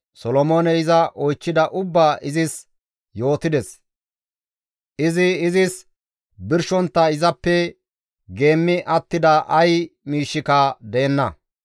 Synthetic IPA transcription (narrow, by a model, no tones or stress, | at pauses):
sɔlɔmoːnɛɪzɐʔɔjt͡ʃːɪd̪ɐʔʊbːaːʔɪzɪs | jo̞ːt̪ɪd̪ɛs | ʔɪzɪːzɪs | bɪɾʃɔnt̪ːɐɪzɐpːɛ | ɡe̞ːmːɪʔɐt̪ːɪd̪ɐʔɐjmiːʃːɪkɐd̪ɛɛnːɐ